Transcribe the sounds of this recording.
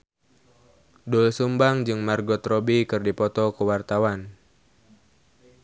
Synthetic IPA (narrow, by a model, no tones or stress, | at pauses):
dulsumbaŋd͡ʒɨŋmarɡɔt̪rɔbikɨrdipɔt̪ɔkuwart̪awan